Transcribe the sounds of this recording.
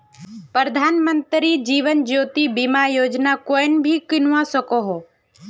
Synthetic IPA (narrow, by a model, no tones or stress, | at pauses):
pɾəd̪ʱaːnmənt̪ɾid͡ʒiːʋənd͡ʒoːt̪ibimajoːd͡ʒnakoːɪnbʱikɪnʊʋãsəkoɦoː